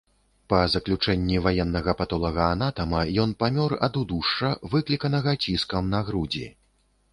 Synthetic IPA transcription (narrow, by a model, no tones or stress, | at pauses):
pɐzɐklʲut͡ʂɛnʲːivajɛnːɐɣɐpat̪ɔlˠɐɣɐːn̪at̪ɐmɐjɔnpamʲɔrɐ̰d̪ud̪uʂɐvɨklʲikɐnɐɣɐt͡sʲiskɐmnaɣɾud͡zʲḭ